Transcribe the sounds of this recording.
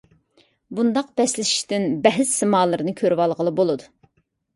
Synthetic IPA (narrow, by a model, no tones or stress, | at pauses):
bund̪ɑq̚b̥ɛslɪʃi̥ʃt̪ɪnbɛɦɪzsɨmɑːlˠɨɾɨnɨkʲʰøɾwɑlˠʁəlˠɨbolˠɨd̪u